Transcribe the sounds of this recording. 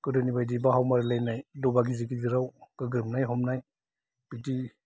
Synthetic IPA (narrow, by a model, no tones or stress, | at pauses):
kɯdonibajdibaɦawmaɾlajnajdɔbakizikiɡiɾawkɯɡɯmnajɦɔmnaj | pidi